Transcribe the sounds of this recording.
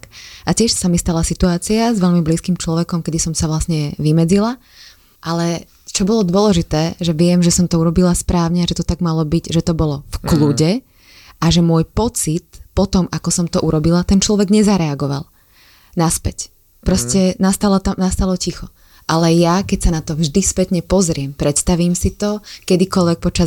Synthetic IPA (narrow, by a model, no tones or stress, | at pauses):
kʔacɪɛʃsamist̪alasit̪uaːt͡siazʋɛʎmibliːskimt͡ʃlɔʋɛkɔmkɛd̪isɔmsaʋlasɲɛʋimɛd͡zila | ʔalɛ | t͡ʃɔbɔlɔd̪ʊɔlɛʒit̪ɛːʒɛʋɪɛmʒɛsɔmt̪ɔuɾɔbilaspɾaːʊɲɛaʒɛt̪ɔt̪aɡmalɔbiɟʒɛt̪ɔbɔlɔfkluɟɛ | ʔaʒɛmʊɔjpɔt͡sit̪pɔt̪ɔmakɔsɔmt̪ɔʔuɾɔbilat̪ɛnt͡ʃlɔʋɛɡɲɛzaɾɛaɡɔʋa̰lˠ | naspɛc | pɾɔscɛnast̪alɔt̪amnast̪alɔcixɔ | ʔalɛjakɛcsanat̪ɔvʒd̪ispɛt̪ɲɛpɔzɾɪɛmpɾɛt̪st̪aʋiːmsit̪ɔkɛd̪ikɔlʋɛk̚pɔt͡ʃa